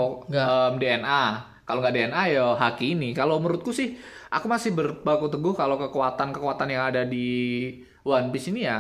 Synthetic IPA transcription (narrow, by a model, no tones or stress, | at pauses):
əmdeɛna | kaloŋɡaʔdeɛnajɔɦakinikaloməɾʊt̪̚kusɪhʔa̰kumasɪhbərbakut̪əɡʊhkalokəkuat̪ankəkəat̪anjaŋadadi | wanpɪsinija